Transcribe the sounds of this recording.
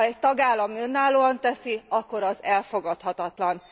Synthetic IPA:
ɛc̚t̪ɒɡaːlːɒmø̞nːaːloːɒnt̪ɛsiɒkːo̞ɾɒzɛlfo̞ɡɒt̪hɒt̪ɒt̪lɒn

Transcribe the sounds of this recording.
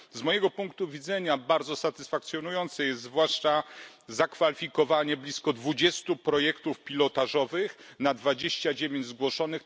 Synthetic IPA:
zmɔjɛɡɔpuŋk̚t̪uvʲid̪zɛɲabaɾd̪zɔsat̪ɘsfak̚t̪sʲjɔnujɔnt̪sɛjɛst̪zvwaʂt͡ʂazakfalʲifʲikɔvaɲɛblʲiskɔd̪vud͡ʑɛst̪upɾɔjɛkt̪ufpʲilɔt̪aʐɔvɘxnad̪vad͡ʑeɕt͡ɕad͡ʑevʲjeɲd͡ʑzɡwɔʂɔnɘx

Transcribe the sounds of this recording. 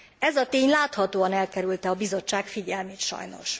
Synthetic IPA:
ɛzɒt̪eːɲlaːt̪hɒt̪oːɒnɛlkɛɾylt̪ɛɒbizo̞t͡ʃːaːkfiɟɛlmeːt̪ʃɒ̰jno̞̰ʃ

